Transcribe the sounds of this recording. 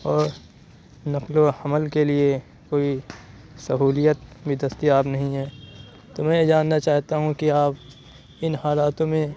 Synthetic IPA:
ɔːɾ | nɐqloəməlkelie | koːi | sɐɦuːlijət̪bɪd̪əst̪iaːpnɐɦĩɦɛː | t̪omɛ̃jed͡ʒaːnːat͡ʃaːɦt̪aɦũkiaːp | ɪnhaːlaːt̪õmẽ

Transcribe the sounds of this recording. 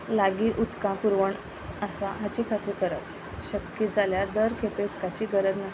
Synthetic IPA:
laɡiːʔut̪kãpuɾʋəɳ | əsaɦat͡ɕiːkʰat̪ɾiːkəɾət̪ | ɕəkːiːd͡zʱaljaɾd̪əɾkʰepeut̪kat͡ɕiːɡəɾəd͡zna

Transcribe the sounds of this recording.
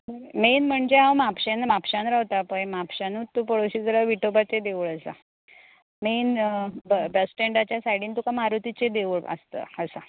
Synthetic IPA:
əmenm̤əɳd͡ʑeɦawmapɕanmapɕanɾawt̪apəjmapʰɕanuːt̪ːupəɽoɕiːd͡zəɽaʋiʈobat͡sed̪eʋəɭəsa̰ | menbbəsʈeɳɖat͡ɕjasaɽiːnt̪ukamaɾut̪it͡sed̪eʋəɭə̰st̪ə̰əsa

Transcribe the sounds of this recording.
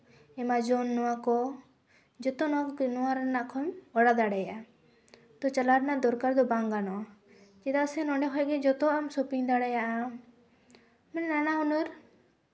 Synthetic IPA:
ɛmad͡ʒɔnːɔwakɔ | d͡ʒɔt̪ɔnɔwakɔknɔwaɾanaʔkʰɔmɔɽad̪aɽɛja | t̪ɔt͡ʃalaɾnaʔd̪ɔɾkaɾd̪ɔbaŋɡanɔ | t͡ʃɛd̪asɛnɔɳɖɛɦɔjɡɛd͡ʒɔt̪ɔamsɔpiŋd̪aɽajaʔa | mɛnnanaunɔɾ

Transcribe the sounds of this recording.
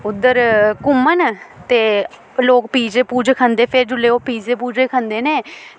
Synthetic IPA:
ʊd̪ːəɾkʊmənt̪eː | loːkpiːd͡ʒeːpuːd͡ʒkʰənd̪eːpʰɪɾd͡ʒoleːoːpiːd͡ʒeːpuːd͡ʒeːkʰə̃nd̪eːneː

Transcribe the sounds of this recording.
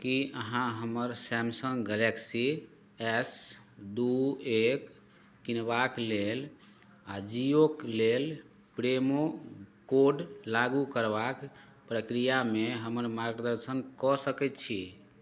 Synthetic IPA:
kiəɦãɦəməɾsɛmsəŋɡɡəleksi | ɛs | d̪uekː | inbaklel | ad͡ʒioklel | pɾemokoɖlaɡukəɾbak | pɾəkɾijameɦəməɾmaɾɡd̪əɾsənkɔsəkɛt̪t͡ʃʰi

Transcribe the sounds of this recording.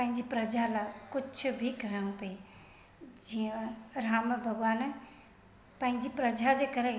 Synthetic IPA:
pãĩd͡ʒipɾəd͡ʒʱalakʊtːt͡ʃʰubʱikəɦeɦũpe | d͡ʒiãɾaməbʱəɡwaːn | pãĩnd͡ʒipɾəd͡ʒʱad͡ʒekəɾe

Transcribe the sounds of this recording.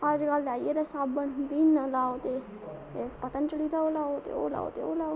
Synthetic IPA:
aːd͡ʒkaːld̪eajeɾasaːbːənbiːnːəlaːot̪e | pɐt̪ənt͡ʃəliːt̪aolaːot̪ḛo̰la̰ːo̰t̪ḛoːlaːo

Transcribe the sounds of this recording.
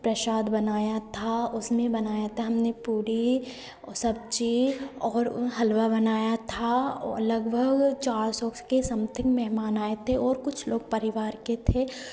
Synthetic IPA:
pɾɐʃaːd̪bɐnaːjat̪ʰaʊsmẽbɐnaːjat̪ʰaɦɐmnepuːɾi | sɐb̚t͡ʃiɔːɾɦɐlʋabɐnaːjat̪ʰalɐɡbʱəɡt͡ʃaːɾsɔkesɐmt̪ʰɪkmɛɦmaːnaːet̪ʰeɔːɾkʊt͡ʃʰloːɡ̚pɐɾɪʋaːɾket̪ʰeː

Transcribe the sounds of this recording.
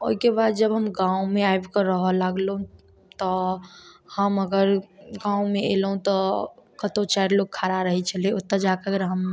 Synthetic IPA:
oɦikebad̪̚d͡ʒəbɦəmɡãumeajbkəɾəɦəlaɡloũ | t̪ɔ | həməɡəɾɡãumeelɦũt̪ɔkət̪ot͡ʃaɪɾloɡ̚kʰaɾaɾəɦɛt͡ʃʰəleot̪ːəd͡ʒakeəɡəɾɦəm

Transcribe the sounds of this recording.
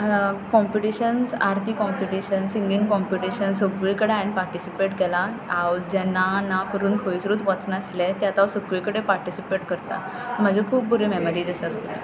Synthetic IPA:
kɔmpiʈiɕənsaɾt̪iːkɔmpiʈiɕənsiŋɡiŋɡkɔmpiʈiɕənsokɾikəɽeaenpaɾʈisipeʈkɛlaawd͡ʑɛnːanakəɾuːnkʰoisɾuːt̪ʋɔt͡snaslɛt̪jat̪aʋsoɡɾikəɽepaɾʈisipeʈkəɾt̪a̰ | əm̤əd͡ʑʱekʰuːp̚bʱuɾemɛməɾiːd͡zəsaskule

